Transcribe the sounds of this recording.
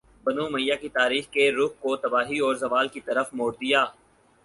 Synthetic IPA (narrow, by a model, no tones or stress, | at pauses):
bɐnumɐjːakit̪aːɾiːxkeɾʊxkot̪ɐbaːɦiɔːɾzɐʋaːlkit̪ɐɾəfmoːɾd̪ijaː